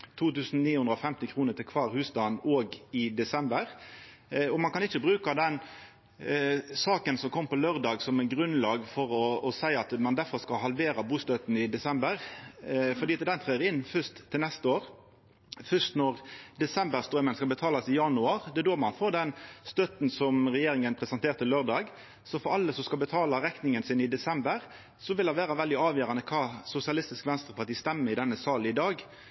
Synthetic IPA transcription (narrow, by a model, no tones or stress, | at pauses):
t̪ʰuːt̪ʉːsn̩niːhʉnd̪ɾɔfɛmt̪ɪkʰɾuːnət̪ʰɪlkʰʋɑːʁhʉːsd̪ɑnoːɡɪd̪ɛsɛmbəʁ | ɔmɑnkɑnɪçːəbʁʉːkɑd̪ɛn | sɑːkənsɔmkʰɔmːpɔløːʁd̪ɑːɡsɔmæɡʁʉnlɑːɡfɔɾɔːsæɪɑt̪mɑnd̪æfɔʁskɑlɦɑlʋeːɾɑbuːst̪œt̪n̩ɪd̪ɛsɛmbəʁ | fɔɾd̪iːɑt̪d̪ɛnt̪ʰʁeːʁɪnːfʏst̪ʰːɪlɛst̪əoːʁ | fʏst̪nɔʁd̪ɛsɛmbəʁst̪ɾœmənskɑbət̪ʰɑːlɑsɪjɑnʉɑʁd̪ɛd̪oːmɑnfoːɾd̪ɛnst̪œt̪n̩sɔmʁɛjeːɾɪŋənpʰɾɛsɛnt̪ʰeːʁt̪əløːʁd̪ɑːɡ | sɔfɔɾɑlːəsɔmskɑlbət̪ʰɑːlɑɾɛknɪŋənsɪnɪd̪ɛsɛmbəɾ | sɔʋɪlɑʋæːɾɑʋɛld̪ɪɑːʋjøːɾɑnəkʰɑːsʊsɪɑlɪst̪ɪskʋɛnst̪ɾəpʰɑt̪iːst̪ɛmːəɾɪd̪ɛnːəsɑːlɪd̪ɑːɡ